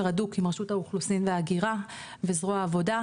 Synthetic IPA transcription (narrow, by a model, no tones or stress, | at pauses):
ʁadukimʁeʃuthauχlusinveaːɡiʁa | vezʁoaːvo̞da